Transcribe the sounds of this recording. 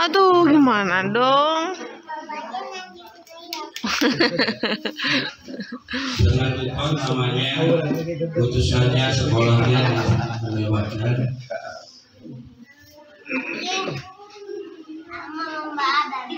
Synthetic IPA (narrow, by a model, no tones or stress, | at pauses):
at̪uɡimanadɔŋ | səŋait̪ɔnːamaɲa | put̪usanɲasəkɔlɔŋɲa | ɲəbakan